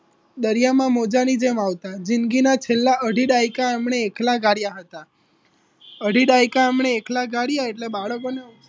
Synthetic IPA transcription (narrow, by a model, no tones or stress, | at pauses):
d̪əɾijamãmod͡ʒanid͡ʒemaʋt̪ad͡ʒɪnɡinat͡ʃʰelːaʔəɖʱiɖajkaamɳeːklaɡaɽijaɦət̪a | əɖʱiɖajkaamɳ̃eːklaɡaɽjaeʈlebaɭəkonea